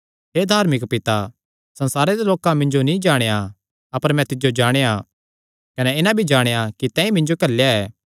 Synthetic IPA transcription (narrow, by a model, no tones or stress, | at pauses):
ɦeːd̪ʱaːɾmɪkpɪt̪a | sɐ̃nsaːɾed̪eloːkãmɪ̃ɲd͡ʒonĩd͡ʒaːɽ̃eja | ɐpəɾmɛ̃t̪ɪd͡ʒod͡ʒaːɽ̃eja | kɐnɛɪnãbʱid͡ʒaːɽ̃ejakit̪ɛ̃ːĩmɪ̃ɲd͡ʒokɐlːjaɛː